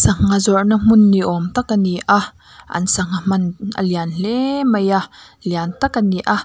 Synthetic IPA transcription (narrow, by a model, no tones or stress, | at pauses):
sɐŋːazɔrnɐm̥ʊnːiʔɔmt̪ɐkːɐniʔa | ʔɐ̰nsɐŋam̥ɐnʔə̰lianɬɛmɐjaʔ | liant̪ɐkəniʔa